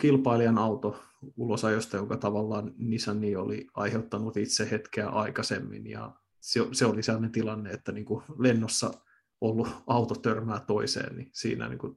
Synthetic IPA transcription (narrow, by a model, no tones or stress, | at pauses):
kilpɑiliɑnɑut̪oulosɑjost̪ɑjoŋkɑt̪ɑʋɑlːɑːnnisænːiːoliɑ̰iheut̪ːɑnut̪it̪sehet̪keæʔɑikɑsemːḭnjɑ̰ | seseoliselːɑnent̪ilɑnːeet̪ːæniːŋkulenːosːɑ | olːuɑut̪ot̪ørmæːt̪oisḛːnnisḭːnæ̰nḭːŋku